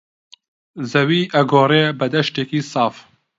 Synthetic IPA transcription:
zɐwiːʔɐɡoːɾeːbɐd̪ɐʃt̪eːkiːsɑːf

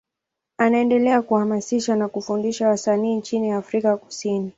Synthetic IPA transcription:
anaɛndɛlɛakuhamasiʃanakufundiʃawasaniːnt͡ʃiniafɾikaku̥sini

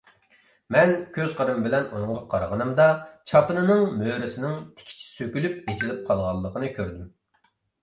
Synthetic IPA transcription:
mɛnkʲʰøzqəɾɨmbɪlɛnunɨŋʁɑqʰɑɾʁənɨmd̪ɑt͡ʃʰɑpɨnɨnɨŋmøɾɪsɪnɪŋt̪ʰɪ̥kʲʰi̥t͡ʃʰi̥søkʲylyp̚et͡ʃʰilɪp̚qʰɑlˠʁɑlˠːəqʰənɨkʲʰøɾd̪ym

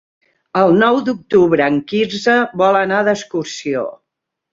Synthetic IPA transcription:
əlˠnɔwd̪uk̚t̪uβɾəːŋkinzəβɔlənaðəskursio̰

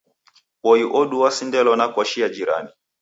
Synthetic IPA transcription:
wɔiʔɔɗuwasindɛlɔnakɔʃiad͡ʒiɾa̰ni

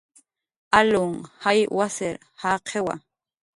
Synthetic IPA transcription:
alʊŋhajwasɪɾ | haqʰewa̰

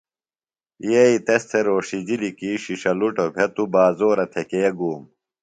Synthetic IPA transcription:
jeit̪est̪ʰeɾoːʂid͡ʑilikiɕiʂɐluʈobʱet̪ubaːzoːɾɐt̪ʰekeːɡuːm

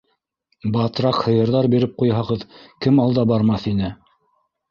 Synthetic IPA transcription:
bɑt̪ɾɑqhɤ̆jɤ̆ɾðɑɾbiɾɘp̚qujɦɑʁɤðkɘmɑlˠd̪ɑbɑɾmɑθinɘ

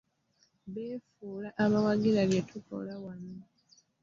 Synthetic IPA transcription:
βeːfuːlaʔaβawaɡiɾaβjetʰuko̰lawana

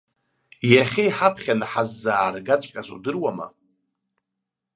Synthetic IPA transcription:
jaχʲejħapʰχʲanaħazːaːrɡat͡ɕʷʼqʲʼazṵdɨrwama̰

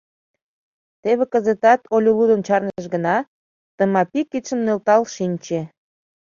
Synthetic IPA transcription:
t̪eβekə̆zet̪ɑt̪olʲolud̪ənt͡ɕɑrnəə̆ʃ̬ɡənɑ | t̪əmɑpikːit̪ʃə̆mnølt̪ɑlʃinʲt͡ɕe

